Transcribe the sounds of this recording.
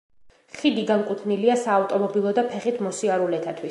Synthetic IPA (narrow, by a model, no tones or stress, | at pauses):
χid̪iɡaŋkʼut̪ʰniliasaːft̪ʼɔmɔbilˠɔd̪apʰɛχit̪ʰmɔsiaɾulɛt̪ʰat̪ʰwis